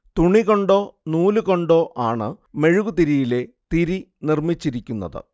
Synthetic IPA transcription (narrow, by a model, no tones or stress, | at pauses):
t̪uɳiɣo̞ɳɖo̞ːnuːluɣo̞ɳɖo̞ːʔaːɳɨme̞ɻuɣut̪iɾijile̞ | t̪iɾi | nirmit͡ɕːiɾikʲːunːɐ̰ðɨ̰